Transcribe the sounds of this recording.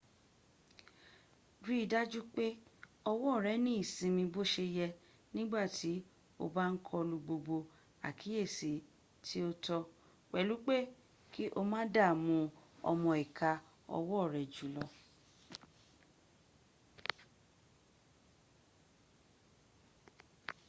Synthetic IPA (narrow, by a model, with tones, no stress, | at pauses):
ɾi˦˨da˦d͡ʒu˦k͡pe˦ɔ˧wɔ˦˨ɾɛ˨˦nĩ˦i˦˨sĩ˧mĩ˧bo˦ʃe˧jɛ˧ | nĩ˦ɡ͡ba˦˨tʰi˨˦ | o̰˧ba˦n̩˦kʰɔ˧lu˧ɡ͡bo˧ɡ͡bo˧ | a̰˨kʰi˨˦je˦˨si˨˦ | tʰi˦o˧tɔ˧ | k͡pɛ˨lu˨˦k͡pe˦ | ki˦ʔo˧mãː˦da˦˨mũ˨˧˦ɔ̰˧mɔ̃˧i˨kʰa˨˧ | ɔ̰˧wɔ˦˨ɾɛ˨d͡ʒu˨˦lɔ˧